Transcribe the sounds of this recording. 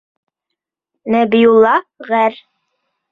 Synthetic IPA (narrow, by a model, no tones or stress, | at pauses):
næbijulˠːɑʁæɾ